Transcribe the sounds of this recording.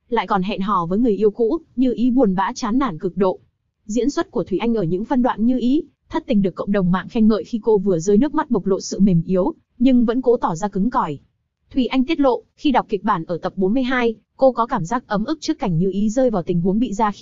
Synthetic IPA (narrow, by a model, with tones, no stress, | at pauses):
la̰ː˧˨jkɔ˨˩nɦɛ̰˧˨nɦɔ˧˩vəː˨˦jŋɨ˨˩əjʔi˧əwkṵ˧˥ɲɨ˧ʔi˨˦ɓu˨˩ənɓa̰ː˧˥t͡ɕaː˨˦nːaː˧˩nkɨ˨˩k̚ɗo̰˧˨ | zḭ˧˥ənswə˦˥t̚ku˧˩ət̪wi˧˩ʔa˧ŋ̟ʔəː˧˩ɲɨ̰˧˥ŋfə˧nɗwa̰ː˧˨nɲɨ˧ʔi˨˦ | t̪ʰə˦˥t̚t̪ï˨˩ŋ̟ɗɨ˨˩əkːə̰˧˨wŋ͡mɗə˨˩wŋ͡mma̰ː˧˨ŋxa˧jŋ̟mə̰ː˧˨jxi˧ko˧vɨ˨˩əzəː˧jnɨ˦˥ək̚ma˦˥t̚ɓə˨˩k͡p̚lo̰˧˨sɨ̰˧˨me˨˩mʔi˨˦əw | ɲɨ˧ŋvə̰˧˥nko˨˦t̪ɔ˧˩zaː˧kɨ˨˦ŋkɔ˧˩j | t̪ʰwi˧˩ʔa˧jŋ̟t̪i˦˥ət̚lo̰˧˨xi˧ɗa˨˩wk͡p̚ki˨˩k̚ɓaː˧˩nʔəː˧˩t̪ə˨˩p̚ɓo˨˦nmɨ˧əjɦaː˧j | ko˧kɔ˨˦kaː˧˩mzaː˦˥k̚ʔə˨˦mʔɨ˦˥k̚t͡ɕɨ˦˥kːa˧˩jŋ̟ɲɨ˧ʔi˨˦zəː˧jvaː˨˩wt̪ï˨˩ŋ̟ɦu˨˦əŋɓḭ˧˨zaː˧